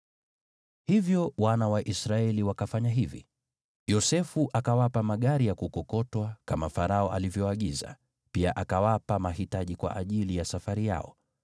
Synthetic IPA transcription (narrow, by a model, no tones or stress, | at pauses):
hivjɔwanawaʔisɾaɛliwakafaɲaɦivḭ | jɔsɛfuʔakawapamaɠaɾijakukɔkɔtwakamafaɾaɔʔalivjɔaɠiza̰ | piaʔakawapamahitaʄikwa̰ʔaʄilijasafaɾija̰ɔ̰